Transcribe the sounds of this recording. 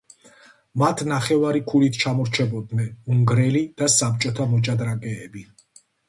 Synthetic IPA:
mat̪ʰnaχɛvaɾikʰulit̪ʰt͡ʃʰamɔɾt͡ʃʰɛbɔd̪nɛnuŋɡɾɛlid̪̥asap̚t͡ʃʼɔt̪ʰamɔt͡ʃʼad̪ɾakʼɛːbi

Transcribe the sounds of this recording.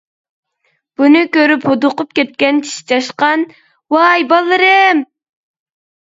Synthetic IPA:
b̥unɨkʲøɾyphod̪ʊqʊp̚kʲɛt̪̚kʲɛnt͡ʃʰi̥ʃi̥t͡ʃʰɑʃqɑn | wɑjbɑlˠːɨɾɨm

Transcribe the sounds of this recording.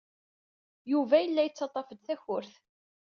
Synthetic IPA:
juvæjəlːæjət͡sːɑt̪ˤːɑfəd̪θæçʊɾθ

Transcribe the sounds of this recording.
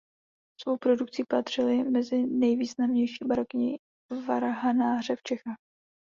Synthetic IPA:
svo̞wpɾo̞duk̚t͡sipat̪r̝̥ɪlɪmɛzɪnɛjviːznamɲɛjʃiːbaɾokɪɲɪ̰ | vaɾaɦanaːr̝ɛft͡ʃɛxaːx

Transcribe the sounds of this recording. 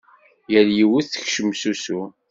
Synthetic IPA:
jəljiwuθθə̥çʃəmːsusu

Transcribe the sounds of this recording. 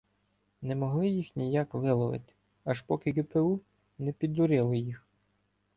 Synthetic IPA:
nɛmɔɦlˠɪjixnʲijakʋɪlˠɔʋɪ̰t̪ʲ | ɐʃpɔkɪɡɛpeu | nɛpʲid̪ːʊɾɪlˠɪjix

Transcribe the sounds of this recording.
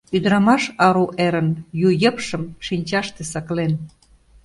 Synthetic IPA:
yd̪əɾɑmɑʃɑɾuʔeɾə̆njujə̆pʃə̆mʃinʲt͡ɕɑʃt̪esɑklen

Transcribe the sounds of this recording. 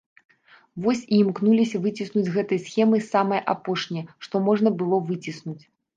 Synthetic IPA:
vɔsʲiːmknulʲisʲɐvɨt͡sʲisnud͡zʲɣɛt̪ɐjɐsxʲɛmɨsamɐjʔa̰pɔʂnʲɛjɛʂt̪ɔmɔʐnɐbɨlˠɔvɨt͡sʲisnut͡sʲ

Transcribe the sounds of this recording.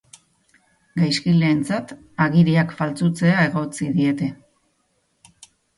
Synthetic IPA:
ɡajskile̞ːnt͡sat̪ | aɣiɾiakfalt͡sut͡se̞ae̞ɣo̞t͡siðie̞t̪e̞

